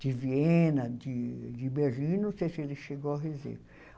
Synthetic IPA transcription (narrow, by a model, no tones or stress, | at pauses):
d̪̥ɪvienɐd͡ʒɪd͡ʒɪbeɾʒĩnõseselɪʃeɡoɐɦezḛ